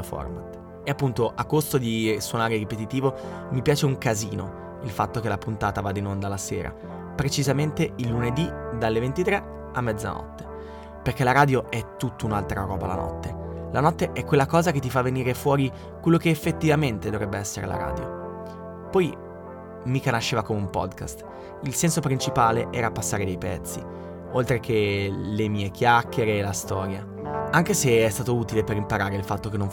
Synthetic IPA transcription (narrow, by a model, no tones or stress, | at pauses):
fɔ̰rmat̪ | eapːunt̪oʔakːost̪od̪iswonaːɾeɾipet̪it̪iːvo | mipjaːt͡ʃeuŋkaziːno | ilfat̪ːokelapunt̪aːt̪avad̪ːinond̪alaseːɾa̰ | pɾet͡ʃizament̪eilːuned̪id̪alːevent̪it̪ɾe | amːɛd̪za̰nɔ̰t̪ːe̥ | perk̟elaɾaːd̪joʔɛt̪ːut̪ːounalt̪ɾa̰ɾɔ̰ːba̰la̰nɔ̰t̪ːelanɔt̪ːeʔɛkwelːakɔːzaket̪ːifavːeniːɾefwɔːɾi | kwelːokeːfːet̪ːivament̪ed̪ovɾɛbːeɛsːeɾḛla̰ɾa̰ːd̪jo̰ | pɔj | mikanaʃːeːvakomeumpɔ̰d̪ka̰st̪ | ilsɛnsopɾint͡ʃipaːleʔɛːɾapasːaːɾed̪ejpɛt̪sːḭ | olt̪ɾekʰelemiːek̟jakːeɾeːlast̪ɔːɾja | aŋkeseɛst̪aːt̪ouːt̪ileperimpaɾaːɾeilfat̪ːokenːõɱ